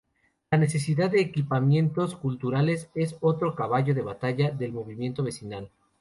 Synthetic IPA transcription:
lane̞s̬e̞s̬iðaððeːkipamje̞nt̪o̞skult̪uɾale̞se̞so̞t̪ɾo̞kaβaʝo̞ðe̞β̞at̪aʝaðe̞lmo̞βimje̞nt̪o̞β̞e̞sinal

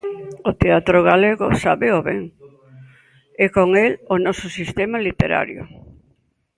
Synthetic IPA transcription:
ot̪eat̪ɾoɣaleɣʊ̰saβeoβɛ̰ŋ | ɛkoŋelonɔsʊsist̪emalit̪ḛɾa̰ɾjo̰

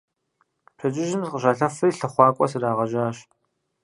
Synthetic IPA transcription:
pʰɐt͡ʃʼɪʒɪmzqəɕʷaːɬɐfɨjɬɐχʷɑːkʷʼɔsɨɾaːʁɐʒaːɕ

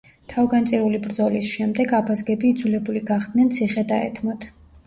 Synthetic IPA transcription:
t̪ʰavɡant̪sʼiɾulibɾd̪zɔlisʃɛmd̪ɛɡapʰasɡɛbiːd̪zulɛbuliɡaχd̪̥nɛnt̪sʰiχɛd̪aɛ̰t̪ʰmɔt̪ʰ

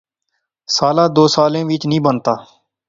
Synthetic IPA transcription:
saːlaːd̪oːsaːlẽːʋɪt͡ʃnĩːbənt̪aː

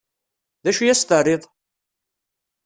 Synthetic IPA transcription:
ðæʃujæst̪əriðˤ

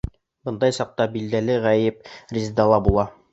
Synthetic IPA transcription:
bɤ̆nd̪ɑjsɑq̚t̪ɑbild̪ælɘʁæjɘp̚rʲizd̪ɑlˠɑbulˠɑ

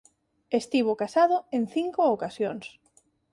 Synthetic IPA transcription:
est̪iβokasaðoẽnθiŋkookasjoŋs

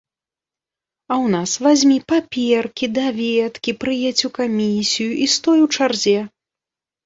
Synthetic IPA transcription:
ɐwnasvazʲmʲipapʲɛrkʲid̪avʲɛt̪kʲipɾɨjɛt͡sʲukamʲisʲijuʔist̪ɔjuwt͡ʂarzʲɛ

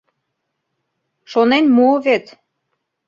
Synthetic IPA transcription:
ʃonenmuːvet̪

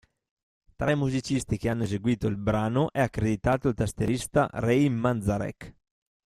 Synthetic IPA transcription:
t̪ɾajmuzit͡ʃist̪ik̟eanːoezeɡwiːt̪oilbɾaːnoʔɛakːɾed̪it̪aːt̪oilt̪ast̪eɾist̪a̰ɾɛjmːand̪zaɾɛ̰k

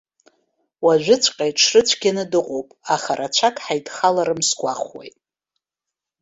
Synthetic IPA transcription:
waʒʷᶣɪt͡sʷʰʼqʼajʈ͡ʂʰrɨt͡sʷʰɡʲanɨdɨqʷʼowpʼaχarat͡ʃʷʰakʼħajdχalaɾɨmsɡʷaχwḛjtʼ

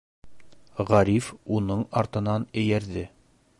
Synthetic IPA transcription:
ʁæɾifunɤɴɑɾt̪ɤ̆nɑnɘ̆jæɾðɘ

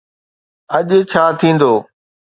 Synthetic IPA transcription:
ɐʄt͡ɕʰaːt̪ʰĩːn̆d̪oː

